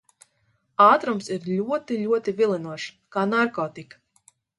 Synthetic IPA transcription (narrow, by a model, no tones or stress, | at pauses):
aːt̪ɾumsiɾlʲuɔt̪iʎʲuɔt̪ivilˠinuɔʃ | kaːnaɾkɔːt̪ik